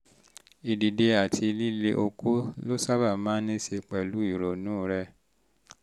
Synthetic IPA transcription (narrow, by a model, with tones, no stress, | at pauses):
i˨di˨de˧a˨tʰi˧li˦le˧ʔo˧kʰu˦lo˦sa˦ba˦˨mãː˦nĩ˦ʃe˧k͡pɛ˨lu˨˦i˦˨ɾo˨nũː˨˦˨ɾɛ˧